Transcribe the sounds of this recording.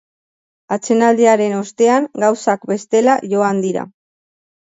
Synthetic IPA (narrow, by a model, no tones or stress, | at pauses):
at͡se̞nald̪eaɾe̞no̞st̪e̞aŋɡawsakbe̞st̪e̞laʝo̞and̪iɾa̰